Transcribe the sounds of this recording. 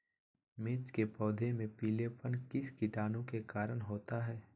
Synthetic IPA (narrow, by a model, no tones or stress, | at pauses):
mɪːt͡ʃkepɔːd̪ʱemẽpiːlepənkɪskɪʈaːnõkekaːɾəɽɦoːt̪aɦɛː